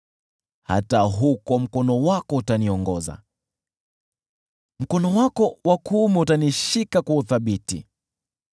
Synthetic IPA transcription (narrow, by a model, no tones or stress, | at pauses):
ha̰taɦukɔm̩kɔnɔwakɔutaniɔŋɡɔza̰ | m̩kɔnɔwakɔwakumɛutaniʃikakauθaɓitḭ